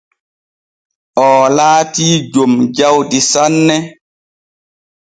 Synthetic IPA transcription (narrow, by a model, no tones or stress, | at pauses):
ʔɔːlaːtiːd͡ʒomd͡ʒawdisanːɛ